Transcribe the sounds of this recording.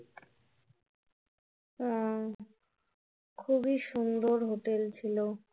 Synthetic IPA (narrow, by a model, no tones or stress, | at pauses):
kʰubiʃund̪oɾɦoʈelt͡ɕʰilo